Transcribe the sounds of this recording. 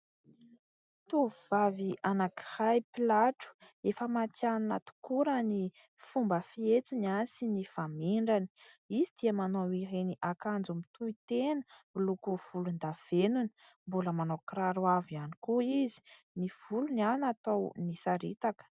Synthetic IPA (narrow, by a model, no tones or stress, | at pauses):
t̪uuv̥avianaki̥hajpilaʈ͡ʂu̥efəmat̪janunat̪u̥kuɾəni | fumbəfiet͡siniansinifamiɳɖ͡ʐani̥izid̪̥iəmanowiɾeniʔakand͡zumit̪uit̪enə̥milukuv̥ulund̪av̥enuni̥mbuləmanokraɾuavianikuizi̥ | niv̥ulunanat̪ownisaɾit̪akə̥